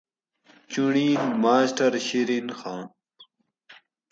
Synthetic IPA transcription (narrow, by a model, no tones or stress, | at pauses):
t͡ɕuɳiːnmaːsʈɐɾɕiɾinxãː